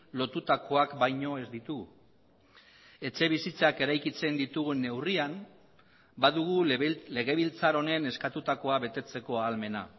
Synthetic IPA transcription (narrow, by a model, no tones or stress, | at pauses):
lo̞t̪ut̪ako̞akbajɲo̞e̞zd̪it̪uɣ | e̞t͡ʃe̞βisit͡sake̞ɾajkit͡se̞nd̪it̪uɣune̞wriam | baðuɣule̞ɣ̞e̞βilt͡saɾo̞ne̞ne̞skat̪ut̪ako̞aβe̞t̪e̞t͡se̞ko̞aːlme̞na